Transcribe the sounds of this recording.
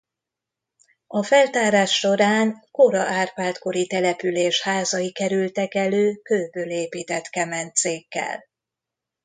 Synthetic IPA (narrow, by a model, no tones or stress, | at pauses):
ɒfɛlt̪aːɾaːʃːo̞ɾaːŋkoɾɒʔaːrpaːlt̪ko̞ɾit̪ɛlɛpyleːʃhaːzɒjikɛɾylt̪ɛkɛløːkøːbøːleːpiːt̪ɛt̪kɛmɛnt̪seːkːɛ̰l